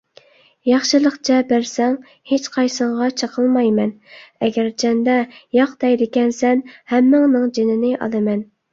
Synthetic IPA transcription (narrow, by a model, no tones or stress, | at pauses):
jɑχʃɨlˠəqt͡ʃʰɛbæɾsɛŋ | het͡ʃqʰɑjsəɴʁɑt͡ʃʰəqʰəlˠmɑjmɛn | ɛɡʲæɾt͡ʃʰɛnd̪ɛjɑqd̪̥ɛjd̪ɪkʲɛnsɛnhɛmːɪŋnɨŋd͡ʒenɪnɪʔɑ̰lˠɨmɛn